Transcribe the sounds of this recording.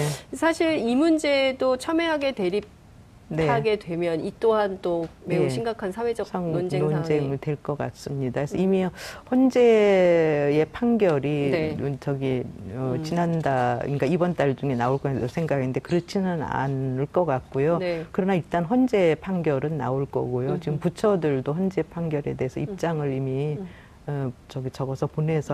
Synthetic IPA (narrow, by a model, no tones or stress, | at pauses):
esʰaɕʰiɾimund͡ʑe̞dot͡ɕʰʌmeɦaɡe̞twe̞ɾip̚ | ne̞aɡe̞dwe̞mjʌnit͈oɦant͈ome̞uɕ̬ʰiŋɡakʰansʰawe̞d͡ʑʌond͡ʑe̞ŋɯɭtwe̞ɭk͈ʌk͈a̰s͈ɯmɲidaesʰʌimiɸʌnd͡ʑe̞ | je̞pʰaŋɡjʌɾit͡ɕʌɡiʌt͡ɕinandaḭŋk͈aibʌnt͈aɭd͡ʑuŋe̞naoɭk͈ʌsʰe̞ŋɡaɡinde̞kɯɾʌt͡ɕʰinɯna̰nɯɭk͈ʌk͈ak̚k͈ojokɯɾʌnaiɭt͈anɸwʌnd͡ʑe̞pʰaŋɡjʌɾɯnːa̰oɭk͈ʌ̰ɡojot͡ɕiɡɯmput͡ɕʰʌdɯɭdoɸʌnd͡ʑe̞pʰaŋɡjʌɾe̞de̞ɦesʰʌ̰ip̚t͡ɕ͈aŋɯɾimi | t͡ɕʌɡit͡ɕʌɡʌsʰʌpone̞sʰʌ